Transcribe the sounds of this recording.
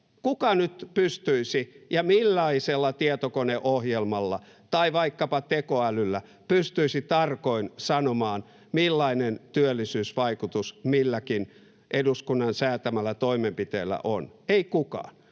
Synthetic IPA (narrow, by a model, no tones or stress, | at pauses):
kukɑnyt̪pyst̪yisijɑmilːɑiselːɑt̪iet̪okoneʔohjelmɑlːɑ̰ | t̪ɑiʋɑikːɑpɑt̪ekoælylːæ | pyst̪yisit̪ɑrkoinsɑnomɑːn | milːɑinent̪yølːisyːsʋɑikut̪usmilːækin | ʔeduskunːɑnsæːt̪æmælːˑæt̪oimempit̪eːlːˑæ̰ʔo̰neikukɑ̰ːn